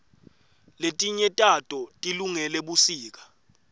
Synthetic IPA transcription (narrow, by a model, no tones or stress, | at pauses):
letʼiɲɛtʼatʼɔtʼiluŋɛlɛɓusiːk̬ḁ